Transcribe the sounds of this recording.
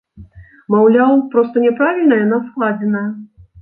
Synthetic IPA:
mawlʲawpɾɔst̪ɐnʲɛpɾavʲilʲnəjɐnasklˠad͡zʲɛnɐjɐ

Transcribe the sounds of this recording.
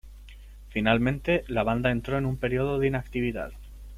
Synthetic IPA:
finalmẽ̞nt̪e̞laβ̞and̪ae̞nt̪ɾo̞e̞nũmpe̞ɾio̞ðo̞ðinakt̪iβ̞iða̰ð

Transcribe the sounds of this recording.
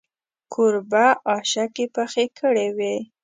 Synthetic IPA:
kʰʊɾbaʔɑʃakepəxekʰəɽewe

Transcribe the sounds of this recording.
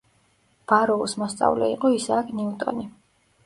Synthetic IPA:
b̥aɾɔusmɔst̪sʼa̰vlɛ̰ḭqʼɔisakʰniut̪ʼɔ̰ni

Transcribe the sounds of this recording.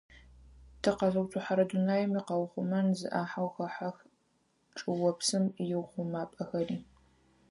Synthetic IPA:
tʰɐqɐzɐwtʰʊħaɾɐdunaːjɪmiːqɐwχʷʊmɐnzɨ̰ʔaːħawxɐħax | ʈ͡ʂʼɨwɔpsɨmjɪwχʷʊmaːpʼɐxɐriː

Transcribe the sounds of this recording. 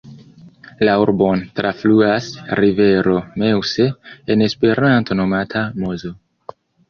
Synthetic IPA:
lauɾbo̞ntɾafluasɾive̞ɾo̞me̞wse̞ene̞spe̞ɾanto̞no̞matʰamozo̞

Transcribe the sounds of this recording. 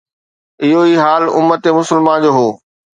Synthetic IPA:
ɪɦoiːɦaːlʊ̰mːət̪emʊsəlmãnd͡ʑoːɦoː

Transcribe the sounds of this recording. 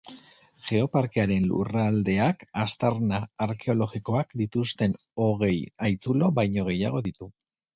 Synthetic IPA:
ʝe̞o̞paɾkeaɾe̞nlṵrald̪e̞akast̪aɾnaːɾke̞o̞lo̞ɣiko̞akd̪it̪ust̪e̞n | o̞ɣ̞e̞jajt͡sulo̞βajɲo̞ɣ̞e̞jaɣ̞o̞ðit̪u

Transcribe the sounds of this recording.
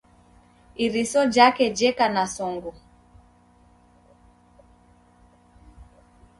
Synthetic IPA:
iɾisɔd͡ʒakɛd͡ʒɛkanasɔŋɡu

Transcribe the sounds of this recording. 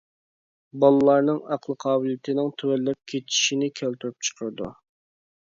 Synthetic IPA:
bɑlˠɨlˠɑɾnɨŋɑqlˠəqʰɑːbɨljit̪ʰɪnɪŋt̪ʰøwɛlːɛp̚kʲʰet̪ʰi̥ʃinɪkʲʰælt̪yɾyp̚t͡ʃʰə̥qʰəɾɨd̪ṵ

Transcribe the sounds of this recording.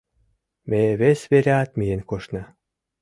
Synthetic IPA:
meβesβeɾʲeɑt̪mijenkoʃnɤ̆

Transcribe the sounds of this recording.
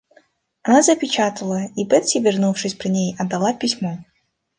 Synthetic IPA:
ɐnazɐpʲɪt͡ɕat̪ɐlˠəibɛt̪sʲivʲɪrnufʂɨsʲpɾʲɨnʲejɐd̪ːalˠapʲisʲmɔ

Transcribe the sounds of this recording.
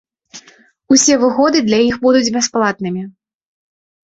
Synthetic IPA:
usʲɛvɨɣɔd̪ɨd̪lʲajixbud̪ud͡zʲbʲasplˠat̪nɨmʲi

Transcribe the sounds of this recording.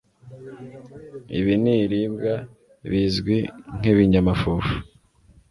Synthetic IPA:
ḭβiniɾibɡa | βizɡwiŋ̥iβiɲamafuːfu̥

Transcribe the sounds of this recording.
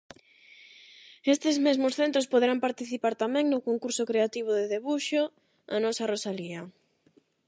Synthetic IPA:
est̪ɪzmezmʊsθent̪ɾospoðeɾampaɾt̪iθipaɾt̪amɛ̃ŋnʊkoŋkuɾsʊkɾeat̪iβ̞ʊðeðeβuʃo | anɔsarosaliɐ

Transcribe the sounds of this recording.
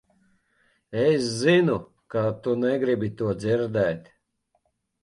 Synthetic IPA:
eszinu | kat̪unɛɡɾibit̪uɔd̪ziɾd̪ɛːt̪ʲ

